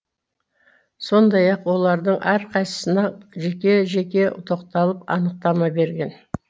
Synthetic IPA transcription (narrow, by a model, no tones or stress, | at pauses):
so̞nd̪ɑjɑqwo̞lˠɑɾd̪əɴʔæɾqʰɑjsə̥sənɑʒe̞kʲe̞ʒe̞kʲe̞ʊt̪ʰo̞qt̪ɑlˠəpɑ̰nəq̚t̪ɑmɑbe̞ɾɡʲe̞n